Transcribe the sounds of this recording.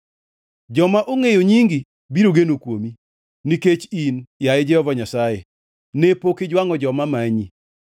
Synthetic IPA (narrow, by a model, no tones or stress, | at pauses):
d͡ʒɔmaʔoŋejoɲiŋɡi | biɾoɡenokwomi | niket͡ʃinjaɛd͡ʒɛhɔvaɲasaje | nepokɪd͡ʒwaŋɔd͡ʒɔmamaɲi